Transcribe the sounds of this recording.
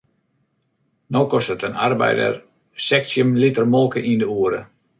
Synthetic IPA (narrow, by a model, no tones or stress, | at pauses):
nowkɔstətənarbɛ̰jdə̰r | sɛksjəmlitərmɔlˠkəʔindəuəɾə